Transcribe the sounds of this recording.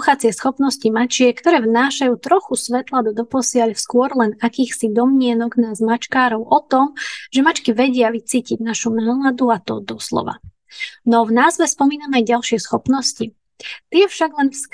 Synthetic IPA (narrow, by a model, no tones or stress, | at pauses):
xat͡sɪɛsxɔpnɔscimat͡ʃɪɛkt̪ɔɾɛːvnaːʃajuːt̪ɾɔxusʋɛt̪lad̪ɔd̪ɔpɔsɪaʎfskʊɔɾlɛnakiːxsid̪ɔmɲɪɛnɔɡnazmat͡ʃkaːɾɔʊʔɔt̪ɔmʒɛmat͡ʃkiʋɛɟɪaʋit͡siːciɟnaʃunaːlad̪uat̪ɔd̪ɔslɔ̰ʋa̰ | nɔvnaːzʋɛspɔmiːnamajɟalʃɪɛsxɔpnɔsci | t̪ɪɛfʃaɡlɛnfs